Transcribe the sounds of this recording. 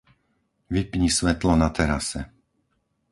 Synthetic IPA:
ʋipɲisʋɛt̪lɔnat̪ɛɾa̰sɛ̰

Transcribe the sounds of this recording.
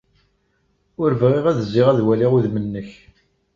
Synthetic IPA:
ʊɾvʁiʁæðəzːɪʁæðwæliʁuðmənːəç

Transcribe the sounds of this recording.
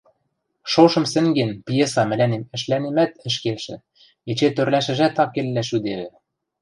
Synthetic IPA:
ʃoʃɤ̆msɘ̆ŋɡenpjesɑmɘ̆lænemɘ̆ʃlænemæt̪ɘ̆ʃ̬kelʃɘ̆ | et͡ɕet̪ørlæʃɘ̆ʒæt̪ɑkːelːæʃyd̪eβɘ̆

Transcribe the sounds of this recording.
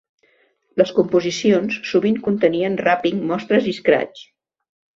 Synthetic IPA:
ləskumpuzisionsːuβiŋkunt̪əniənrapiŋmɔst̪ɾəziskɾa̰t͡s

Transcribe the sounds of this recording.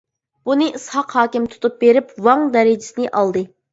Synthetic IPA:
b̥unɨʔɨshɑqhɑːkʲimt̪ʰu̥t̪ʰup̚beɾɪpwɑŋd̪ɛɾɪd͡ʒɪsɪnɪʔɑlˠd̪ɨ

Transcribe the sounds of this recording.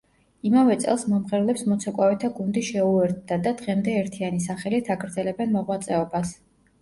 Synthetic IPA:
imavɛt̪sʼɛ̰lˠsmɔmʁɛɾlɛpsmɔt̪sʰɔkʼwavɛt̪ʰaɡund̪iʃɛuɛɾt̪̚d̪ad̪ad̪̥ʁɛmd̪ɛːɾt̪ʰianis̬aχɛlit̪ʰaɡɾd̪zɛlɛbɛnmɔʁwat̪sʼɛɔbas

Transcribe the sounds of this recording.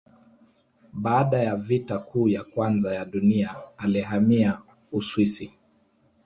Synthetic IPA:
ɓaːɗajavitakuːjakwanzajaɗuniaːliɦamia | uswisi

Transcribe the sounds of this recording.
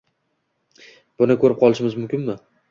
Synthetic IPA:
b̥ʊnɪkʰɵɾɪp̚qʰɒlˠɪʃɪmɪzmʊmkʲɪnmɪ

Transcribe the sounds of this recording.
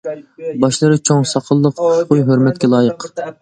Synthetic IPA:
bɑʃlˠɨɾɨt͡ʃʰoŋsɑqʰəlˠːəqʰʊʃqʰʊjɦøɾmɛt̪kʲɛlˠɑːjəq

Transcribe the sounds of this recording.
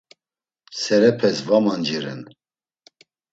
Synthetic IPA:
sɛɾɛpʰɛsvamand͡ʒiɾɛ̰n

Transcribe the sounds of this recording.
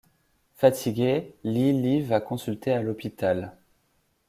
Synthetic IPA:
fat̪ʰiɡʲelilivakɔ̃sylt̪ealɔpit̪al

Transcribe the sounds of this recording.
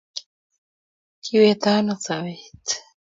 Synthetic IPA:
kʰiwet̪anot͡sawet̪

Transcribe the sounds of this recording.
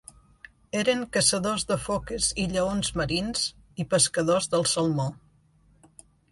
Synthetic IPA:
eɾəŋkəsəðozðəfokəziʎəonzməɾinz | ipəskəðozðəlˠsəlˠmo

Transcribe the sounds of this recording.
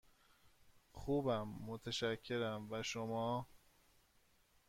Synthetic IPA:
xuːbæmːot̪ʰeʃæcʰːe̞ɾæmvæʃomɒː

